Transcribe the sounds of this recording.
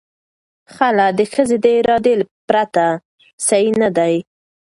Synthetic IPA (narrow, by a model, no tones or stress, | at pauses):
xalad̪əxəzed̪əɪɾɑd̪elpɾat̪a | sainad̪aj